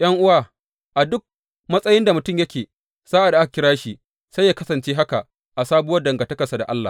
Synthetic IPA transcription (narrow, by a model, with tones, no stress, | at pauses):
j̰ʔɐ˦ŋʔʊ˦waː˦˨ | ʔa˨dʊ˦k̚ | mɐ˦sʼɐ˦jɪ˦nda˨mʊ˨tʊ˦˨mjɐ˦kʲeː˨ | z̥aː˦ʔa˨da˨ʔa˦ka˨kʲɪ˦ɽaː˦ʃi˦ | sa˦jaː˦kɐ˦sɐ˨nt͡ʃeː˦ɦa˦ka˨ʔ | ʔa˨saː˦bwɐ˦dɐ˨ŋɡa˨tɐ˦kɐ˨sa˨da˨ʔa˦lːa̰˨